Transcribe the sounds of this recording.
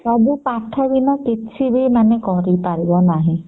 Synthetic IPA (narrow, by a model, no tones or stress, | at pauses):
abupaʈʰɔbinɔkitt͡ʃʰibimanekɔɾipaɾibɔnaɦĩ